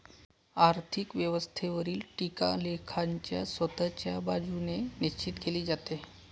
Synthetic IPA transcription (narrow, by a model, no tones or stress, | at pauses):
aɾt̪ʰikʋjəʋəst̪ʰeʋəɾiːlʈika̰lekʰaɲt͡ɕjasʋət̪ət͡ɕjabad͡zuneniɕt͡ɕit̪keliːd͡zat̪e